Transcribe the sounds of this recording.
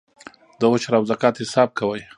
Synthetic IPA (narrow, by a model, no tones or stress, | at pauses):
d̪əwʊt͡ʃɾawzakɑːt̪hɪsɑːb̚kawəj